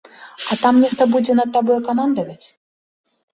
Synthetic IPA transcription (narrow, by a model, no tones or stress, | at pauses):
at̪amnʲixt̪obud͡zʲɛnɐt̪̚ːabɔjɛkamand̪ɐvɐt͡sʲ